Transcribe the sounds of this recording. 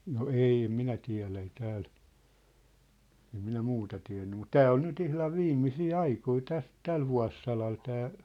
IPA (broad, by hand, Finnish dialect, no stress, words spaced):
no ei em minæ tiæ̝læ ei tæːl em minæ muːtɑ tiæ̝nːy mut tæː ol nyt ihlɑʋ ʋiːmːisiː ɑikoi tæs tæl ʋuɑ̝sːɑlɑl tæː